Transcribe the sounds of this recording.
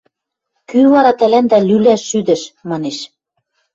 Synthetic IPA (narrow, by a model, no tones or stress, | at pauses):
kyβɑɾɑt̪ælænd̪ælylæʃːyd̪ɘ̆ʃmɑneʃ